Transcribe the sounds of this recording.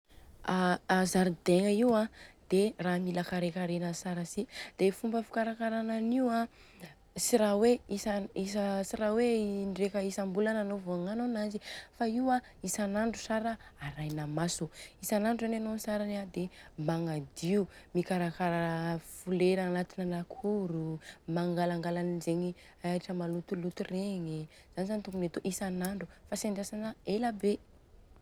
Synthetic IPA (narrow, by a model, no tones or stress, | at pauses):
azaɾid̪eŋəiwad̪̥eramilakaɾekaɾenəsaɾasid̪̥efumbəfu̥kaɾakaɾananiwa | siɾaweisaisəsiɾaweɳɖ͡ʐekəisambulananovoaŋanonazifaiwa | isanaɳɖ͡ʐu̥saɾaaɾajnamasuisanaɳɖ͡ʐuzananonisaɾanad̪emaŋad̪iumikaɾakaɾafuleɾaːnat̪inalakʰuɾumaŋɡalaŋɡalanizeɲi | aiʈ͡ʂəmalut̪ulut̪ureŋi | z̥anizanit̪uŋkunet̪oʔisanaɳɖ͡ʐufasaɳɖ͡ʐasanaelabe